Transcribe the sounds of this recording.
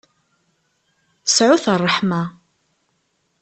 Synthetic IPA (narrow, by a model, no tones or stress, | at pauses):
ə̥sʕʊθərˤːəħma